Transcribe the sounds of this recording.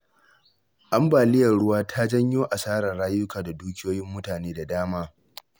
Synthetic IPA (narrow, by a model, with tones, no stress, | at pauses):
ʔa˦mbaː˨lɪ˦jɐ˨rɽʊ˦waː˦tʰa˦d͡ʒɐ˦ɲjoː˦ʔa˨saː˦ɾɐ˨rɽaː˦jʊ˦kaː˨da˨duː˦kʲɪ˦joː˦jɪ˦mːʊ˦taː˨neː˦da˨daː˦maː˦